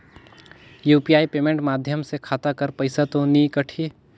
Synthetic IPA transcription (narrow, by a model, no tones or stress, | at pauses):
juːpijaːipeːmẽɳʈmaːd̪ʱjəmsekʰaːt̪akəɾpɐɪsat̪õnikəʈʰi